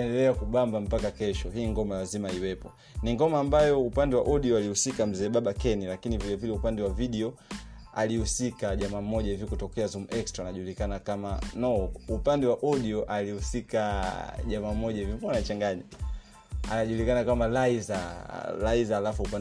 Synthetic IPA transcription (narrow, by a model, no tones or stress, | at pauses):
ɛndɛlɛakuɓambam̩pakakɛʃɔɦiːŋɡɔmalazimaiwɛpɔ | niŋɡɔmaːmbajɔupandɛwa̰ʔɔɗiɔalihusikam̩zɛːɓaɓakɛnilakinivilavilɛupandɛwaviɗiɔ | alihusikaʄamam̩ːɔʄahivikutɔkɛazumɛkstɾaːnaʄulikanakamanɔupandɛwaʔɔɗiɔʔalihusikaʄamam̩ːɔʄahivipɔanat͡ʃaŋɡaɲa | a̰naʄuːlikanakamalaizalaizaːlafuupan